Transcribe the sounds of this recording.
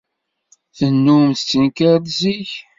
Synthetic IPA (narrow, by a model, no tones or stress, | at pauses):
θənːumθt͡sːənkæɾt̪ziç